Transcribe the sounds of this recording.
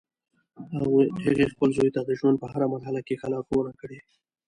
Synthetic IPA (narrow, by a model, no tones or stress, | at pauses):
haɣuɖeɣexpəlzojt̪ad̪əʒwand̪̚pəɦaɾamazhalakexalɑɡonakəɽe